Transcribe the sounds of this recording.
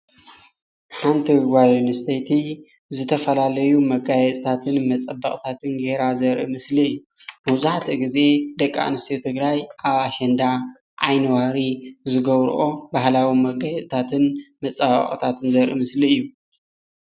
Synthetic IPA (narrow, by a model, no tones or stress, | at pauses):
ħant̪ʰiɡʷalonɨst̪ʰɐjt̪ʰi | zɨt̪ʰɐfɐlalɐjumɐɡajɛt̪ʼt̪ʰat̪ʰɨnmɐt͡sʼɐbːɐχʼt̪ʰat̪ʰɨnɡehɾazɐɾʔɨmɨsliɨjːu | mɐwzaħt̪ʰiɡize̞d̪ɐkʼːa̰ʔnɨst̪ʰjot̪ʰɨɡɾajʔaβaʃɛnd̪a | ʔajnɐwaɾizɨɡɐβɾ̰ʔobahlawimɐɡajɛt͡sʼt̪ʰat̪ʰɨnmɐt͡sʼabɐ̰χʼt̪ʰat̪ʰɨnzɐɾʔɨmɨsliɨjːu